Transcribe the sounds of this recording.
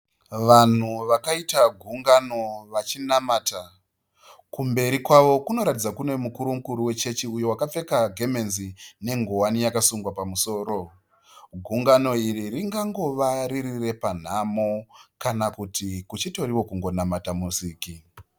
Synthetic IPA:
ʋan̤uʋakaitaɡʱuŋɡano̞ʋat͡ʃinamaːta | kumbe̞ɾikwaʋo̞kuno̞ɾatid͡zakune̞mukuɾumukuɾuwe̞t͡ʃe̞t͡ʃiujo̞wakap͡fe̞kaɡʱe̞me̞nzine̞ŋɡowanijakasuŋɡwapamuso̞ːɾo̞ | ɡʱuŋɡano̞iririŋɡaŋɡo̞ʋaɾirire̞pan̤amokanakutikut͡ʃito̞ɾiwo̞kuŋɡo̞namatamusiːki

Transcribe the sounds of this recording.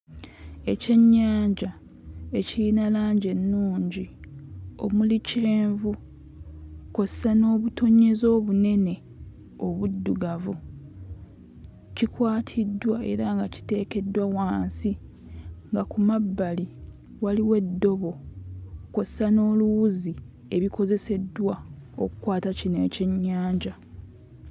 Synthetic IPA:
e̞ce̞ɲːaːɲɟa | e̞cilinalaːɲɟe̞nːuːɲɟi | o̞̰mulit͡ʃeːɱvu | ko̞ssano̞ːβutʰo̞ɲːe̞zo̞ːβune̞ne̞ | o̞βudːuɡavu | cikwaːtʰidwae̞̰ɾaŋɡaci̥te̞ːke̞dːwawaːnsi | ŋɡakumabːali | waliwe̞dːo̞βo̞ | ko̞zesano̞ːluwuzi | e̞βiko̞ze̞se̞dːwao̞̰kukwaːtacineːceɲːaːɲɟa

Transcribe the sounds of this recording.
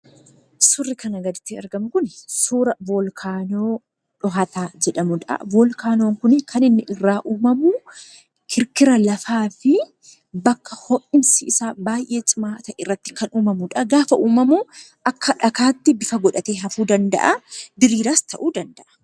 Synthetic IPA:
sʊrːɪkɐnɐɡɐd̪ɪt̪ːɪɐɾɡɐmʊkʊnsuːɾɐvɔlkʰaːnoː | ᶑɔɦɐt̪aːd͡ʒɛᶑɐmʊᶑɐ̰vɔːlkʰaːnoːŋkʊnɪkʰɐnɪnːɪʔɪrːaːʔuːmɐmu | kʰɪɾkɪɾɐlɐfaːfɪ | bɐkːɐhɔʔʼɪmsɪɪsaːbaːjʔe̞ːt͡ʃʼɪmaːt̪ɐʔɪrːɐt̪ːɪ̥kɐnuːmɐmʊᶑɐɡaːfɐʔuːmɐmu | ʔɐkːɐᶑɐkaːt̪ːɪbɪfɐɡɔᶑɐt̪eːɦɐfuːd̪ɐnd̪ɐ̰ʔɐd̪ɪɾiːɾaːst̪ʰɐ̰ʔuːd̪ɐnd̪ɐʔɐ̥

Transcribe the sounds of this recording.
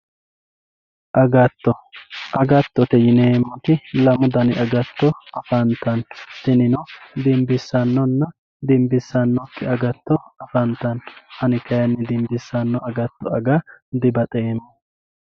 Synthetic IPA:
ʔɐɡɐt̪ːɔʔɐɡɐt̪ːɔt̪ɛjɪneːmːɔt̪ɪlɐmʊd̪ɐnɪʔɐɡɐt̪ːɔɐfɐnt̪ːɐnt̪ɪnɪnɔd̪ɪmbɪsːɐnːɔnːɐ | d̪ɪmbɪsːɐnːɔkːɪɐɡɐt̪ːɔɐfɐnt̪ːɐnhɐnɪkɐjɐnːɪd̪ɪmbɪsːɐnːɔɐɡɐt̪ːɔɐɡɐd̪ɪbɐt̪ʼeːmːɔ

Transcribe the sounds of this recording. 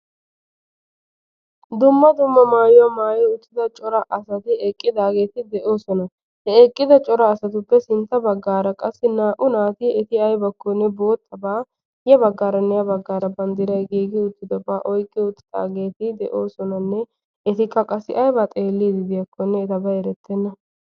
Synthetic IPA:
d̪ʊmːɐd̪ʊmːɐmaːjwɐmaːjɔʊt̪ːɪd̪ɐt͡ʃʼɔɾɐʔɐsɐt̪ɪɛkʼːɪd̪aːɡe̞ːt̪ɪd̪ɛʔo̞ːsɔnɐ | hɛɛkʼːɪd̪ɐt͡ʃʼɔɾɐːsɐt̪ʊpːɛsɪnt̪ːɐbɐɡːaːɾɐkʼɐsːɪnaːʔʊnaːt̪ɪɛt̪ɪɐjbɐkːɔnːɛbo̞ːt̪ʰːɐbaː | jɛbɐɡːaːɾɐnːɛjɐbɐɡːaːɾɐbɐnd̪ɪɾɐjɡiːɡɪʊt̪ːɪd̪ɔbaːʔɔjkʼːɪʊt̪ːɪ̥d̪̥a̰ːɡe̞ːt̪ɪd̪ɛ̰ʔo̞ːsɔnɐnːɛ | ɛt̪ɪkːɐkʼɐsːɪ̰ʔɐjbaːt̪ʼe̞ːlːiːd̪ɪd̪ɪjɐkʰːɔnːɛːt̪ɐbɐɛɾɛt̪ːɛnːɐ

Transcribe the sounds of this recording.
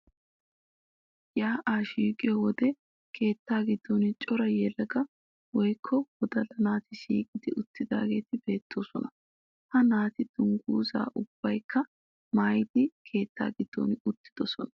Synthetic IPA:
jaːʔaːʃiːkʼɪjɔwɔd̪ɛ | kʰe̞ːt̪ːaːɡɪd̪̥ːonɪt͡ʃʼɔɾɐjɛlɐɡɐ | wɔjkʰːɔwɔd̪ɐlɐnaːt̪ɪʃḭːkʼɪd̪ɪʔʊt̪ːɪd̪a̰ːɡe̞ːt̪ɪbe̞ːt̪ʰːo̞ːsɔnɐ | hɐnaːt̪ɪd̪̥ʊŋɡuːza̰ːʔʊb̥ːɐjkʰːɐ | maːjɪd̪ɪkʰe̞ːt̪ːa̰ːɡɪd̪̥ːo̰nɪʊt̪ːɪ̥d̪̥ɔsɔnɐ̥

